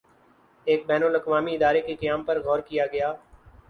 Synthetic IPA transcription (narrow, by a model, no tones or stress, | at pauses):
eːk̚bɛːnʊlɐkʋaːmiɪd̪aːɾekekɐjaːmpɐɾɣɔːɾkijaɡɐjaː